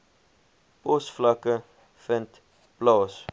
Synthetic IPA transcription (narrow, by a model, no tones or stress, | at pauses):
pɔsflɐkə | fənt | b̥lɑːs